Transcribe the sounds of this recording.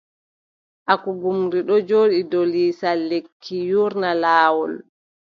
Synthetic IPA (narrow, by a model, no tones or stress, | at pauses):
ʔakuɡumɾiɗɔd͡ʒoːɗidɔliːsalːekʰːijuɾnalaːwɔl